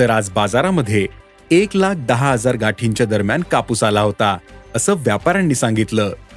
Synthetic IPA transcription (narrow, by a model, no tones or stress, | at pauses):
t̪əɾad͡zbad͡zaɾaməd̪ʱːje | eklak̚ʰd̪əɦaɦəd͡zaɾɡaʈʰiɲt͡ɕjad̪əɾmjankapuːsalaɦot̪aəsəːʋjapaɾanːiːsãŋɡit̪ləː